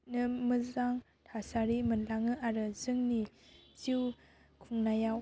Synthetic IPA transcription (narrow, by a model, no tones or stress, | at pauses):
nɯmɯzaŋ | tʰasaɾimɯnlaŋɯʔaɾɯzɯŋniziw | kʰuŋnajaw